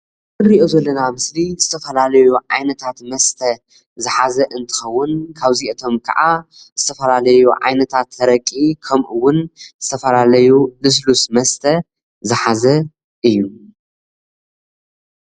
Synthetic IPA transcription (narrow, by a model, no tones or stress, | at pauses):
ɨɾiʔozɐlːɐnamɨslizɨt̪ʰɐfɐlalɐjuʕa̰jnɐt̪ʰat̪mɐst̪ʰɐ | zɨħazɐʔɨnt̪ʰɨ̥xɐwːʊnkʰaβziʔɨt̪ʰo̞mkʰɐ̰ʕa | z̥ɨt̪ʰɐfɐlalɐjuʕa̰jnɐt̪ʰat̪ɐɾɐkʼːikʰɐmʔɨwːʊnzɨt̪ʰɐfɐlalɐjulɨs̬lusmɐst̪ʰɐ | zɨħazɐ | ʔɨjːu